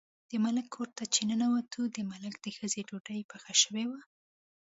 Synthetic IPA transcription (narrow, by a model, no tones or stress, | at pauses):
d̪̥əmalɪkʰːoɾt̪at͡ʃenənawat̪ʰud̪əmaləkd̪̥əxəzeɖoɖəjpəxaʃəwewa